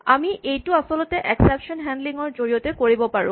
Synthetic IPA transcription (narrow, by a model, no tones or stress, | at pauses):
amiʔejtʊasɔlɔtɛʔɛksɛpʃɔnɦɛndliŋɔɹzoɹijɔtɛkoɹibɔpaɹʊ̰̃